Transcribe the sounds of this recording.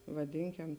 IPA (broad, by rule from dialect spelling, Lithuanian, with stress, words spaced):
ʋɐˈdʲɪŋʲkʲɛm